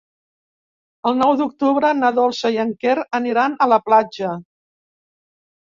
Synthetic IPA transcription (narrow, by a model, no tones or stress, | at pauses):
əlˠnɔwd̪uk̚t̪uβɾənəðolˠsəjəŋkeɾəniɾanələplad͡ʒə